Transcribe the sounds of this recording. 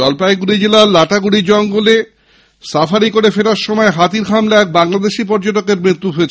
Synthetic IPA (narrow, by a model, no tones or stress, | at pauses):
ɔlpaeɡuɾid͡ʑelaɾlaʈaɡuɽid͡ʑɔŋɡole | safaɾikoɾefeʈaɾʃɔmɔeɦat̪iɾkʰamlaɛk̚baŋlad̪eʃip̬ɔɾd͡ʑoʈ̬okeɾmɾit̪ːuɦoet͡ɕʰe